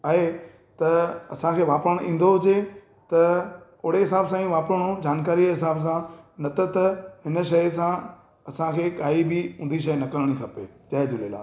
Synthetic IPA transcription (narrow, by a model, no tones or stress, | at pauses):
aːɦe | t̪ɐɐsãkʰeːʋaːpɾəɽ̃ʔĩːn̆d̪oɦʊd͡ʑe | t̪ɐ | ʊɽeɦɪsaːbsãːĩʋaːpɾəɽ̃od͡ʑaːnkaːɾiɦɪsaːbs̬ãnɐt̪ət̪ɐhɪnə̆ʃɐjs̬ã | ɐsãkʰeːkaːibɪũːnd̪iʃ̬ɐjnɐkəɾəɽ̃ikʰɐpḛːd͡ʑɐɦed͡ʑʊleːla̰ː